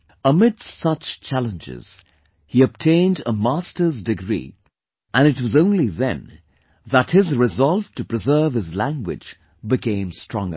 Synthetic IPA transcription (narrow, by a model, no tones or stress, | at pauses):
əmɪd̥stsʌt͡ʃt͡ʃʰælˠə̃nd͡ʒɪ̰z̥ | hiɨb̥̚tʰẽɪ̃ndəmæstə˞zdɨɡɹḭ | ʔɨ̃nɨt̚wʌzõʊ̃nliðɨ̰̃n | ðət̚hɪzɹɨzɑlˠv̥tɨpɹ̥ɨzɜ˞v̥hɨzlæ̃ŋɡwɪ̰̥d͡ʒ | bɨkʰẽɪ̃mstɹ̥ɔ̃ŋɡə̰˞